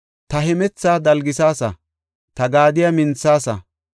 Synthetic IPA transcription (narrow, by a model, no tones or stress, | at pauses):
t̪ɐhɛmɛt͡sːaːd̪ɐlɡɪsaːsɐ̰ | t̪ɐɡaːd̪ɪjɐmɪnt͡sːaːsɐ̰